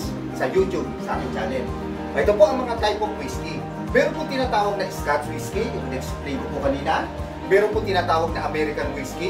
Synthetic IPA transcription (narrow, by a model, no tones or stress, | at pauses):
s | sɐjut̪jub̚sɐʔa̰kɪnt͡ʃaːlɛnd͡ʒ | ʔɐʔɛt̪opo̞ʔɐŋmɐŋat̪ajpoŋwiski | mɛːɾonpot̪ɪnaːt̪aːwɐɡ̚nɐʔɪskat̪̚wiskijʊŋnɛksplijmʊpʊkɐniːnɐ | mɛːɾonpʊt̪ɪnaːt̪aːwɐɡ̚nɐŋʔɐmɛːɾɪkɐnwiski